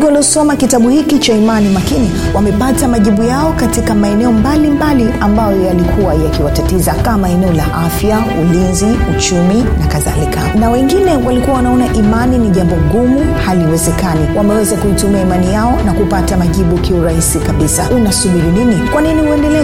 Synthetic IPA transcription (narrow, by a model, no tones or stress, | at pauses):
ɡwaliɔsɔmakitaɓuhikit͡ʃaimanimakini | wamɛpatamaʄiɓujaɔkatikamaɛnɛɔmbalimbaliambajɔjalikʰuwajakiwatatizakamaɛnɛɔlaʔafja | ulinziut͡ʃuminakaða̰likʰanawɛŋɡinɛwalikuwawanaɔnaʔimaniniʄambɔɡumuhaliwɛzɛkaniwamɛwɛzakuitumiaimanijaɔnakupatamaʄiɓukiuɾahisikaɓisainasuɓiɾuninikwaninihuɛndɛlɛ